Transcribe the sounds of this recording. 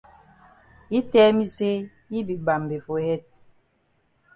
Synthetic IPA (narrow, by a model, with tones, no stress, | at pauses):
i˦tɛ˦mi˦se˦ | ji˦bi˨ba˨mbe˨fo˨hɛ˦t̚